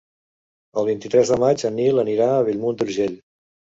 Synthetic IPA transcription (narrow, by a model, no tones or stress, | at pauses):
əlˠβint̪it̪ɾɛzðəmad͡ʒənːiləniɾaəβ̞ilmund̪uɾʒeʎ